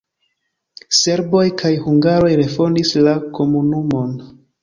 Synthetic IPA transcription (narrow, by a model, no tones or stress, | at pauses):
se̞ɾbo̞jkʰajhuŋɡaɾo̞jɾe̞fo̞ndislako̞munumo̞n